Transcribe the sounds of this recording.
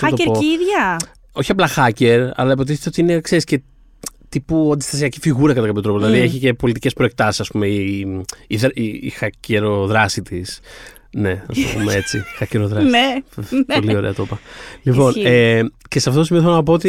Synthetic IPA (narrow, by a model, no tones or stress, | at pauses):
sɐt̪oeɾpoiiðʝɐ | o̞çiɐplɐxɐce̞ɾɐ̰lɐipo̞t̪iθet̪eot̪iinekseɾisce̞ | t̪ipuɐnd̪ist̪ɐsiɐcifiɣuɾɐkɐt̪ɐkɐpçot̪ɾooðilɐðieçice̞po̞lit̪ice̞spɾo̞e̞k̚t̪ɐsi̥sɐspume̞i | iðɾiːxɐceɾo̞ðɾɐsit̪is | ne̞nɐ̰sto̰po̰mee̞t͡sixɐceɾoðɾɐne | olio̞ɾeɐt̪o̞pɐlipo̞neceseɐft̪ot̪osimioθelonɐp̬o̞ot̪i